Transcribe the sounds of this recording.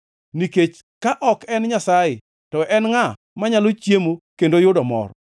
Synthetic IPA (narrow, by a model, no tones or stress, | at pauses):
niket͡ʃ | kaʔɔkɛnɲasajɪ | tɔʔɛnŋa | maɲalot͡ʃjemokendojʊdɔmɔ̰r